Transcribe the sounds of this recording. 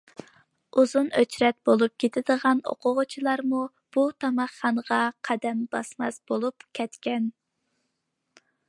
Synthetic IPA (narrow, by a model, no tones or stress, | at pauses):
uzunøt͡ʃɾɛt̪̚bolˠup̚kʲʰet̪ʰɪd̪əʁɑno̰qʰʊʁʊt͡ʃʰilˠɑɾmu | b̥ut̪ʰɑmɑχːɑnəʁɑqʰɑd̪ɛmbɑsmɑ̰sbolˠupkʲʰɛt̪kʲɛn